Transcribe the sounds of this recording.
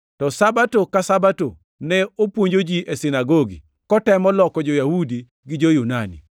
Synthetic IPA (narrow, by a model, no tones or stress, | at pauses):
tɔsabatokasabato | nɛopwoɲd͡ʒod͡ʒiʔesinaɡoɡḭ | kɔtɛmɔlɔkɔd͡ʒojahudi | ɡɪd͡ʒojunanḭ